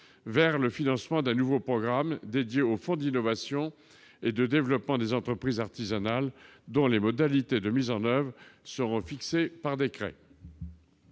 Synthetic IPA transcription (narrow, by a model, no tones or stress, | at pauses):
vɛʁləfinɑ̃smɑ̃d̪ɛ̃nuvopχɔɡʁamd̪ed̪jeofɔ̃d̪inɔvasjɔ̃ | ed̪əd̪evlɔpmɑ̃d̪ezɑ̃t̪χəpχizaʁt̪izanald̪ɔ̃lemɔd̪alit̪ed̪əmizɑ̃nœvʁsəʁɔ̃fiksepaʁd̪ekχɛ̰